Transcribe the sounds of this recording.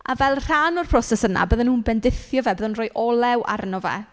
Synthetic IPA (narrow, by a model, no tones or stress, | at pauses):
avɛlˠr̥anɔrpʰrɔsɛsəna̰bəðənuːnbɛndɪθjɔvɛbəðənroːjʔɔlˠɛwʔa̰rnɔvɛ̰